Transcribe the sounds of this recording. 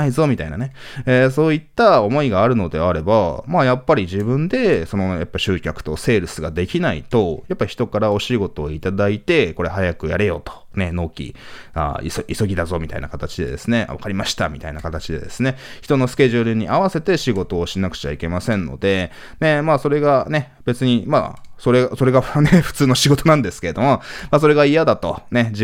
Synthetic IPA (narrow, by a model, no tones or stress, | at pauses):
aizo̞mʲit̪ainane | es̬o̞ːit̪ːao̞mo̞iɡaːɾɯ̟no̞d̪e̞aɾe̞bamaːjapːaɾʲiʑibɯ̟̃nd̪e̞so̞no̞japːaiɕɨːkʲakɯ̟̥t̪o̞se̞ːɾɯ̟sɨɡad̪e̞kʲinait̪o̞japːaɾʲiçi̥t̪okaɾao̞ɕiːɡo̞t̪o̞ːit̪ad̪ait̪e̞ko̞ɾe̞ɦajakɯ̟jaɾe̞jo̞t̪o̥ne̞no̞ːkʲḭ | a̰ḭsoiso̞ɡʲid̪azo̞mʲit̪a̰ina̰kat̪at͡ɕid̪e̞d̪e̞̰sɨne̞a̰βakaɾʲimaɕi̥t̪a̰mʲit̪ainakat̪at͡ɕid̪e̞̰d̪e̞sɨne̞çi̥t̪o̞no̞sɨ̥kʲe̞ʑɨɾɯ̟ɲ̟iʔaβase̞t̪e̞ɕiɡo̞t̪o̞ːɕinakɯ̟̥t͡ɕa̰ike̞masẽ̞nːo̞̰d̪e̞ | ne̞maːso̞ɾe̞ɡane̞ | b̥e̞t͡sɨɲ̟ima̰so̞ɾeso̞ɾe̞ɡaneɸɯ̥t͡sɨːno̞ɕiɡo̞t̪o̞nãnd̪e̞sɨ̥ke̞ɾe̞d̪o̞mo̞mas̬o̞ɾe̞ɡaijad̪at̪o̞ne̞d͡ʑ